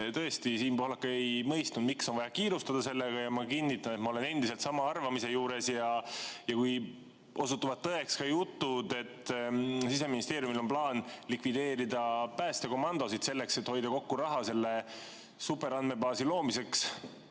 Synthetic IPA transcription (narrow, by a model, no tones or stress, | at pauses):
t̪ɤ̞est̪isiːnpohlɑkːɑejmɤjst̪nud̪miksonvɑjɑkiːɾust̪ɑd̪̥ɑse̞lːeɡ̥ɑjɑmɑkinːit̪ːˑɑnet̪mɑo̞le̞ne̞nd̪̥ise̞lt̪sɑmɑɑrvɑmise̞juːɾe̞sjɑjɑkuj | ʔo̞sut̪ːuvɑd̪̚ːɤe̞kskɑjut̪ːˑud̪e̞t̪ːsis̬e̞minist̪e̞ːɾjumilo̞mplɑːnlikvid̪e̞ːɾid̪ɑpæːst̪e̞ko̞mɑnd̪̥o̞sid̪̥se̞lːe̞kse̞t̪ho̞jd̪̥ɑko̞kːuɾɑɦɑse̞lːe̞ | supːˑe̞ɾɑnme̞bɑːsilo̞ːmise̞ks